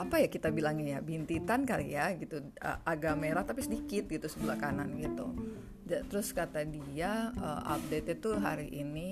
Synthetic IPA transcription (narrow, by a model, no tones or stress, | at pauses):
apajakit̪abilaŋjabint̪it̪ankalḭjaɡit̪u | ə̰ʔaɡameɾaht̪apisədikɪt̪̚ɡit̪usəbulakananɡit̪ṵ | d͡ʒat̪əɾʊskat̪adiaə̰ʔa̰p̚det̪it̪uɦa̰ɾiʔini